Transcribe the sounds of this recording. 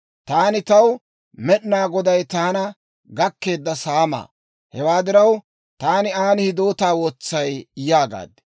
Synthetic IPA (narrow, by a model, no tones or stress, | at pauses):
t̪aːnɪt̪ɐw | mɛɗnaːɡɔd̪ɐjt̪aːnɐ | ɡɐkːe̞ːd̪ːɐsaːma̰ː | hɛwaːd̪ɪɾɐw | t̪aːnɪaːnɪhɪd̪o̞ːt̪aːwot͡sːɐjjaːɡa̰ːd̪ɛ̥